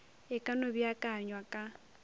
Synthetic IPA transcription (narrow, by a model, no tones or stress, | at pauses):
ɛkʼanobiakʼaɲwakʼa